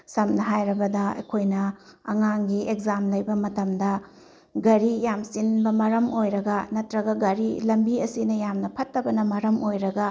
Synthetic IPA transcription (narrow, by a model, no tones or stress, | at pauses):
sɐmnɐɦajɾɐbɐdɐɐ̰jkʰojnɐ | ɐŋaŋɡiekzamlɐjbɐmɐtɐmdɐ | ɡɐɾijamsinbɐmɐɾɐmojɾɐɡɐnɐtɾɐɡɐɡɐɾilɐmbiɐsinɐjamnɐpʰɐtːɐbɐnɐmɐɾɐmojɾɐɡɐ